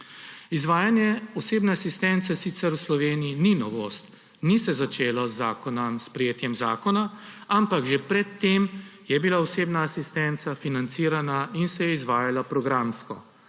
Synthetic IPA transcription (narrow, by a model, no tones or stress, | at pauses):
izʋaːjanjɛɔseːbnɛasist̪ɛnt̪sɛsit̪sɛɾwslɔʋeːnijininɔʋost̪ | nisɛzat͡ʃeːlɔzːaːkɔnɐmspɾɛjeːt̪jɛmzaːkɔnaampaɡʒepɾɛt̪ːemjɛbilaɔseːbnaːsist̪ɛnt̪safinant̪siːɾanainsɛjɛizʋaːjalapɾɔɡɾamskɔ̰